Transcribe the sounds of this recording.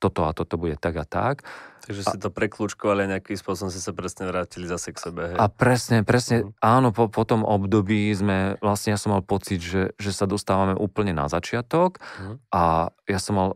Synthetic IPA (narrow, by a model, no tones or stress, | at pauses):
t̪ɔt̪ɔat̪ɔt̪ɔbuɟɛt̪aɡat̪a̰k̪aɡʒɛsit̪ɔpɾɛklut͡ʃkɔʋaliaɲɛakispʊɔs̬ɔbɔmsisapɾɛsɲɛʋɾaːcilizasɛksɛbɛɦɛappɾɛsɲɛpɾɛsɲɛaːnɔpɔpɔt̪ɔmʔɔbd̪ɔbiːzmɛʋlasɲɛjasɔmːalpɔt͡siɟʒɛʒɛsad̪ɔst̪aːʋamɛʔuːpl̩ɲɛna̰zat͡ʃɪat̪ɔkʔajasɔmːal